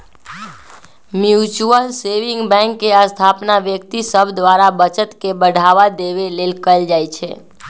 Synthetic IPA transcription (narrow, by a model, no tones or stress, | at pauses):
mjut͡ʃuəlseʋĩŋɡbɛ̃ŋkːeəst̪ʰapnaʋjək̚t̪isəbd̪ʋaɾabət͡ʃət̪kebəɽʱaʋad̪eʋelelkəld͡ʒajt͡ʃʰḛ